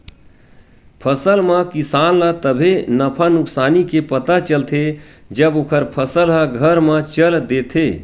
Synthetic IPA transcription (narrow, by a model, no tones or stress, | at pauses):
pʰəsəlmãkisaːnlat̪əbʱenəpʰanʊksaːnikepət̪at͡ʃəlt̪ʰe | d͡ʒəbokʰəɾpʰəsəlɦaɡʱəɾmãt͡ʃəld̪et̪ʰeː